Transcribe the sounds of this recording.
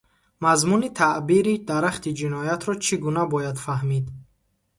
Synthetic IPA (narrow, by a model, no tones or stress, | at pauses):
mazmunit̪ʰaʔbiɾid̪aɾaχt̪id͡ʒinɔjat̪ʰɾɔt͡ʃʰiɡunabɔjad̪fahmid̪